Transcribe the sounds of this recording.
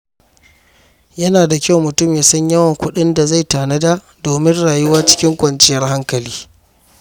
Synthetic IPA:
jɐ˦naː˨da˨kʲa˦wmʊ˨tʊ˦mja˨sɐ˦ɲjɐ˦wɐ˨ŋkʷʊ˦ɗɪ˦nda˨za˦˨jtaː˨nɐ˦daː˦ | doː˨mɪ˦nɽaː˨jʊ˦waː˦t͡ʃɪ̥˦kʲɪ˦ŋkʷɐ˨nt͡ʃɪ˦jɐ˦rɦa˦ŋkɐ˨liː˦

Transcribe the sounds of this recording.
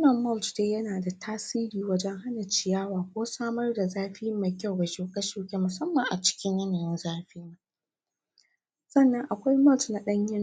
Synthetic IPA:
wnɐ˨mmɔ˦ltdeː˦jɐ˦naː˨da˨tʰaː˦siː˦ɾiː˨wɐ˦d͡ʒɛ˦ŋɦa˦na˨t͡ʃɪ˨jaː˦waː˨kʷoː˦saː˦mɐ˦rda˨zaː˦ɸɪ˦ɪ˦mːa˨jkʲa˦˨wɡɐ˨ʃoː˨kʼɐ˦ʃoː˨kʲe˦mʊ˨sɐ˦mːɐ˨ŋʔa˨t͡ʃɪ̥˦kʲɪ˦ɲjɐ˦na˨jɪ˦nzaː˦ɸiː˦na˦ | sɐ˦˨nːɐ˦ŋʔa˨kʷa˦jmɔ˦ltna˦ɗɐ˦ɲjɪ˦n

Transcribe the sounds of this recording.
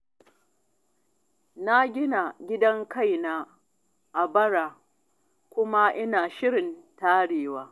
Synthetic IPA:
na˦ɡʲɪ˦na˨ɡʲɪ˦dɐ˦ŋka˦˨jnaː˦ | ʔa˨bɐ˦ɽaː˨ | kʷʊ˦ma˦ʔɪ˦naː˨ʃɪ˦ɽɪ˨ntaː˦ɽeː˨waː˦

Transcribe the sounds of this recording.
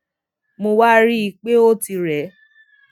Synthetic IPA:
mo˧wa˦ɾi˦i˧k͡pe˦o˦ti˧ɾɛ˨˦

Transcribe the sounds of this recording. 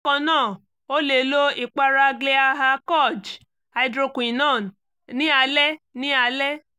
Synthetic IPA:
kɔ̃˧nãː˦˨ | o˦le˨˦lo˦i˨k͡pa˦ɾa˧ɡle˦a˧ɦa˧kɔ˦˨d͡ʒ | a˧i˧dɾo˧kũ˨i˨nãː˦˨ | nĩ˦a˧lɛ˦nĩ˦a˧lɛ˦

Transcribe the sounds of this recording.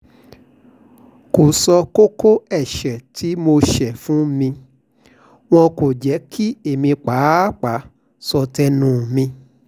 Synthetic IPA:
ko˨sɔ˧ko˦ko˦ɛ˦˨ʃɛ˨tʰi˨˦mo˧ʃɛ˨fũ˦mĩ˧ | w̃ɔ̃˧ko˨d͡ʒɛ˨˦kʰi˦e˨mĩ˧k͡pa˨˦k͡pa˨˦ | sɔ˧tɛ˦nũ˦˨mĩ˧

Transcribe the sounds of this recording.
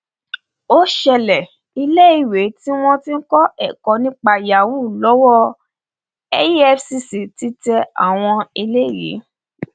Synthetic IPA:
o˦ʃɛ˧lɛ˨ | i˧le˦i˦˨we˨˦ti˦w̃ɔ̃˦tĩ˦n̩˦kɔ˦ɛ˦˨kɔ˨˧˦nĩ˦k͡pa˧ja˨wu˦˨lɔ˨˦wɔ˦˧ | ɛ˦ji˦ɛ˦fsi˧si˨ti˦tɛ˧a̰˨w̃ɔ̃˧i˧le˦i˦˨jḭ˨˦

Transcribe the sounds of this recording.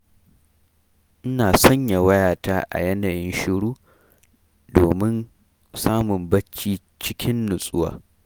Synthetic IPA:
ʔɪ˦naː˨sɐ˦ɲja˨wɐ˦jaː˨taː˦ʔa̰˨jɛ˦naː˨jɪ˦nʃɪ˦ɽuː˦ | doː˨mɪ˦n | saː˦mʊ˨mbɐ˦t͡ʃːiː˦ | t͡ʃɪ˦kʲʰɪ˦nːʊ˨sʼʊ˦wa̰ː˨

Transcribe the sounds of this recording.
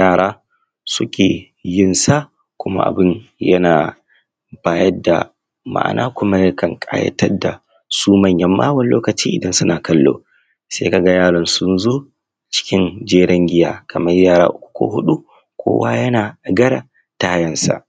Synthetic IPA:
jaː˦˨ɾaː˦ | sʊ˦kʲʰeː˨ | jɪ˦˨nsa˦ | kʷʊ˦ma̰˦ʔa̰˨bɪ˦n | jɐ˦naː˨ | baː˦jɐ˦da̰˨ | ma̰˦ʔa̰˨nʔaː˦kʷʊ˦ma˦jɐ˦kɐ˨ŋkʼa̰ː˦jɐ̰˦tʰɐ˦da̰˨ | suː˦mɐ˦ɲjɐ˦mːaː˦wɐ˨nloː˦kɐ˨t͡ʃiː˦ʔɪ˨dɐ˦nsʊ˦naː˨kɐ˦lːo̰ː˦ | sḛ˦ka˨ɡa˦jaː˦ɽɔ˨nsʊ˦nzoː˦˨ | t͡ʃɪ̥˦kʲɪ˦nd͡ʒeː˦ɽɐ˦ŋɡʲɪ˦jaː˦kʰɐ˨mɐ˦rjaː˦˨ɾa̰ː˦ʔʊ˦kʷu̥˨kʷo̰ː˦ɦʊ˦ɗu˦ | kʷʰo̰ː˦waː˦jɐ˦naː˨ɡɐ˦ɽa˨ | ta˨˦a˦jɐ˦nsa̰˨

